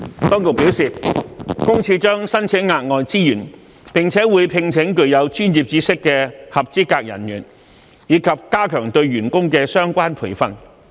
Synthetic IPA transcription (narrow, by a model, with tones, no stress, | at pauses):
t̪ɔː˥ŋt̪o˨˩wpi˨˥wsiː˨kʊ˥ŋt͡sʰiː˧t͡ʃœː˥ŋsɐ˥nt͡sʰɛ˨˥ŋaː˧t̚ŋɔː˨jt͡siː˥jyː˨˩n | pɪ˨ŋt͡sʰɛː˨˥wuː˨˧jpʰɪ˧ŋt͡sʰɪ˨˥ŋkɵ˨ɥjɐ˨˧wt͡ʃyː˥nji˨p̚t͡siː˨˥sɪ˥kːɛː˧hɐ˨p̚t͡siː˥kaː˧k̚jɐ̰˨˩njyː˨˩n | jiː˨˧kʰɐ˨p̚kaː˥kʰœː˨˩ŋt̪ɵ˧ɥɥyː˨˩nkʊ˥ŋkɛː˧sœː˥ŋkʷaː˥npʰṵ˨˩jfɐ˧˨n